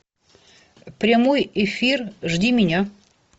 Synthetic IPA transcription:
pɾʲamojefʲirʐdʲimʲɪnʲa

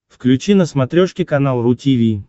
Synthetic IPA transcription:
fklʲʉt͡ɕinəsmɐt̪ɾʲoʂkʲɪkɐnalˠrʊtʲivʲi

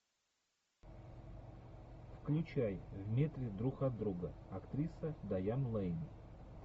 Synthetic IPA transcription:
fklʲʉt͡ɕajvmʲet̪ɾʲɪd̪ɾuxɐd̪ːɾuɡəɐkt̪ɾʲisəd̪ɐjamlˠɛjnʲɪ

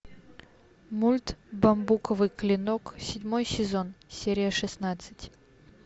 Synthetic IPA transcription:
mulʲt̪bɐmbukəvɨklʲɪnoksʲɪdʲmo̞jsʲɪzo̞nsʲeɾʲɪjəʂɨsnat̪sɨ̥tʲ

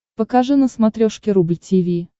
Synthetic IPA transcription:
pəkaʐɨnəsmat̪ɾʲoʂkʲɪɾublʲtʲivʲi

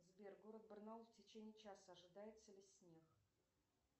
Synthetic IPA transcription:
zbʲerɡoɾət̪̚bərnalˠftʲɪt͡ɕenʲiːt͡ɕasəɐʐɨd̪ajɪt̪səlʲɪsʲnʲex

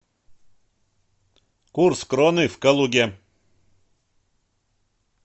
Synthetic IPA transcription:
kurskɾonɨfkəlˠuɡʲe

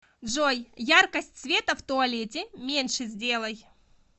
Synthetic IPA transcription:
dʐojjarkəsʲtʲsvʲe̞t̪əft̪ʊɐlʲetʲɪmʲenʲʂɨzʲdʲe̞lˠəj

